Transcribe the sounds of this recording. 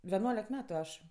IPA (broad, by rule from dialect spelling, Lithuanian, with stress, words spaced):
ʋʲɛˈnuɔlʲɛk ˈmʲæːtʊ ˈɐʃ